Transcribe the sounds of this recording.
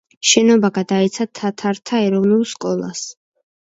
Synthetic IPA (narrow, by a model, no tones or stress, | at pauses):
ʃɛnɔbaɡad̪aɛt̪sʰat̪ʰat̪ʰaɾt̪ʰaɛɾɔvnulˠskʼɔlˠa̰s